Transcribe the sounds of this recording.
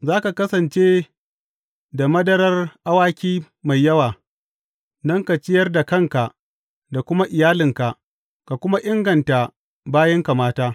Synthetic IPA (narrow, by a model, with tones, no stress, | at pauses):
zaː˦ka˨kɐ˦sɐ˨nt͡ʃe˦ | da˨mɐ˦dɐ˦ɾɐ˦rʔa˦waː˦kʲiː˦ | ma˨jjːɐ˦waː˨ | dɐ˦ŋka˨t͡ʃɪ˦jɐ˦rda˨kɐ˦˨ŋka˨ʔ | da˨kʷʊ˦ma˦ʔɪ˨jaː˦lɪ˨ŋka˨ʔ | ka˨kʷʊ˦ma˦ʔɪ˦ŋɡɐ˨nta˨ | baː˦jɐ˦ŋka˨maː˦taː˦